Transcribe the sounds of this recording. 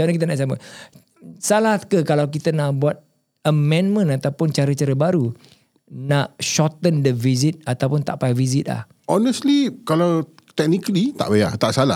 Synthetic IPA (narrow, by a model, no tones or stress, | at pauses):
d͡ʒanakit̪ənaʔsama̰ | salakəkalawkit̪ənãʔbuat̪̚ | əmɛ̃nmə̃nat̪awpʊnt͡ʃaɾət͡ʃəɾəbaɾu | naʔʃɔt̪əndəvizɪt̪̚at̪awpʊnt̪aʔpavizɪt̪̚la̰h | ʔɔnəst̪likalaw | t̪ɛk̚nikəlit̪a̰ʔbaja̰t̪aʔsala